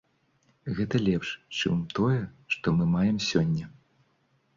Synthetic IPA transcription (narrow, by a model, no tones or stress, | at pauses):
ɣɛt̪ɐlʲɛpʂt͡ʂɨmt̪ɔjɛʂt̪ɔmɨmajɛmsʲɔnʲːɛ